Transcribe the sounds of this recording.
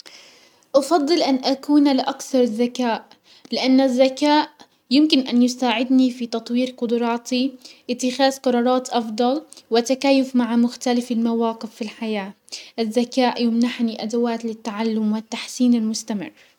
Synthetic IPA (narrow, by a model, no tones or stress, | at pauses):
ʔɑfɑd̪ˤːɨlʔanʔakuːnalɪʔakθɑɾˤɪzːakaːʔ | lɪʔanːazːakaːʔ | jɪmkɪnʔanjʊsaːʕɪd̪nifit̪ɑt̪ˤwiːɾqʊd̪ʊɾˤɑːt̪iʔɪt̪ːɪxaːðqɑɾˤɑːɾˤɑːt̪ʔɑfd̪ˤɑlwɪt̪akaːjʊfmaʕamʊxt̪alɪfɪlmawaːqɪfːilħajaː | ʔɪzːakaːʔjʊmnaħniʔad̪awaːt̪lɪt̪ːaʕalːʊmwɪt̪ːaħsiːnɪlmʊst̪amɪ̰rː